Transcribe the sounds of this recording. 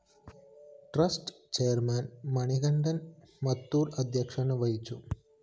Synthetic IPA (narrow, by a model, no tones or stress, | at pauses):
ʈrɐsʈ | t͡ɕejɐɾmaːnmɐɳiɣɐɳɖɐn | mɐt̪ːuːɾɐd̪ʱjɐkʂɐnɐʋɐjit͡ɕːu